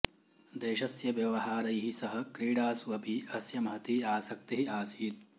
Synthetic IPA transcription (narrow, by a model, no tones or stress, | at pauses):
d̪eːʃɐsjɐʋjɐʋɐɦaːɾɐjɦisɐɦɐ̆kɾiːɽaːsɐpiɐsjɐmɐɦɐt̪iiaːsɐk̚t̪iɦiaːsiːt̪̚